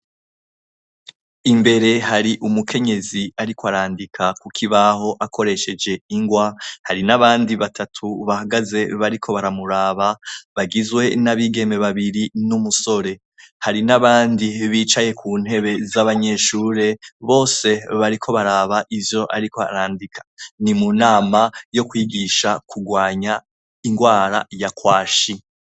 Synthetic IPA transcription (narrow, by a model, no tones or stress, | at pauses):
imbe̞ɾe̞haɾiʔumukʰe̞ɲe̞ziaɾikoaɾaːndikʰakukʰiβaɦo̞ʔakʰo̞ɾe̞ʃe̞d͡ʒe̞iŋɡwahaɾinaβaːndiβatʰatʰuβahaɡaze̞βaɾikʰo̞βaɾamuɾaːβaβaɡizwe̞naβiɡe̞me̞βaβiɾinumuso̞ɾe̞ | haɾinaβaːndiβiːt͡ʃaje̞kʰuːn̥he̞βe̞zaβaɲe̞ʃuːɾe̞βo̞ːse̞βaɾikʰo̞βaɾaβaʔivjo̞ʔaɾiko̞a̰ɾaːndikʰḁnimunaːmajo̞kwiːɡiʃakʰuɡwaːɲa | iŋɡwaːɾa̰jakwaːʃi